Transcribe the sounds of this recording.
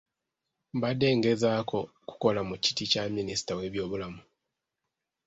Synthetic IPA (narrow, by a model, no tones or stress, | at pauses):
mbade̞ŋɡe̞zaːkʰo̞ | ku̥ko̞lamuci̥ticaminisi̥tawe̞βjo̞ːβulamu